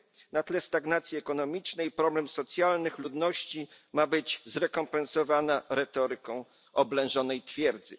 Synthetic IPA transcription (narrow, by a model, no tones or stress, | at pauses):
nat̪lɛst̪aɡnat̪sʲjiɛkɔnɔmʲit͡ʂnɛjpɾɔblɛmsɔt̪sʲjalnɘxlud̪nɔɕt͡ɕi | mabɘd͡ʑzɾɛkɔmpɛnsɔvanaɾɛt̪ɔɾɘkɔ̃w̃ | ɔblɛ̃ʐɔnɛjt̪fʲjɛɾd̪zɘ